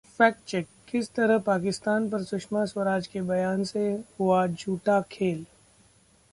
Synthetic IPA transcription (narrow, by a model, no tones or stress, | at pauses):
fɛːk̚t͡ʃɛkːɪst̪ɐɾəɦpaːkɪst̪aːnpɐɾsʊkʃmaswɐɾaːd͡ʒkebɐjaːnsehʊad͡ʒʱuːʈakʰeːl